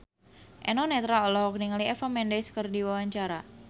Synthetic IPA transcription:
ʔɛnɔnɛt̪ɾaɔlɔhɔkniŋaliɛfamɛndeskərdiwawaɲt͡ʃaɾa

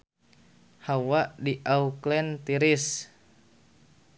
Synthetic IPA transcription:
hawaʔdiʔauklɛnt̪iɾis

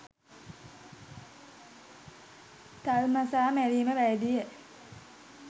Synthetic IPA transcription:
t̪almasaːmæɾiːməʋæjd̪ijə

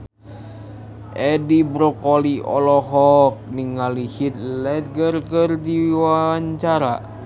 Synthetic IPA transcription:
ʔɛdibɾɔkoliʔɔ̰lɔɦɔk̚niŋalihit̪̚lɛt̪̚ɡərɡərdiwaɲt͡ʃaɾa̰

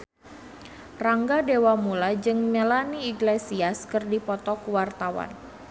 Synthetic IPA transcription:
raŋɡadewamulad͡ʒɨŋmelaniːɡlesiaskɨrdipɔt̪ɔkuwart̪awa̰n

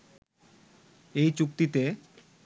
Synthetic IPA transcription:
ejt͡ɕukt̪it̪e

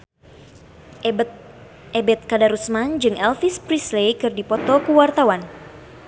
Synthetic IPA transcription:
ɛbɛt̪̚kadaɾusmand͡ʒɨŋʔɛlfispɾislejkɨrdipɔt̪ɔkuwart̪awan

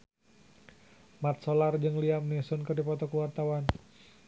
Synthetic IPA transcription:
mat̪̚solard͡ʒɨŋliamnisɔnkɨrdipɔt̪ɔkəwart̪awan

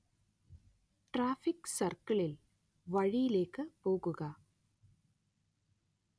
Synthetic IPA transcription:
ʈɾaːfɪksɐrkɐɭɪl | ʋɐɻɪjɪleːkːɐpoːɣɯɣaː

